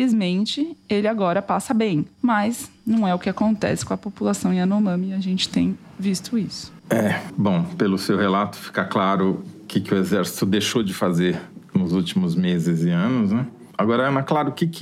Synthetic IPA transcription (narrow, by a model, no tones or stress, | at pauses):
izmẽnt͡ʃɪelɪaɡɔɾɐpasɐbẽj̃mɐznɐ̃w̃ɛʊkɪakõnt̪ɛ̰sɪkõɐpopulasɐ̃w̃ɪ̃ɐnomɐ̃mɪaʒẽnt͡ʃɪ̥t̪ẽj̃vist̪ʊisʊ̥ɛbõw̃pelʊsewhelat̪ʊ̥fi̥kaklaɾʊkɪkɪʊezɛɾsi̥t̪ʊd̪ejʃod͡ʒɪfazeɾnʊzut͡ʃimʊzmezɪzɪɐ̃nʊznɛ | aɡɔɾɐɐ̃mɐklaɾʊkɪkɪ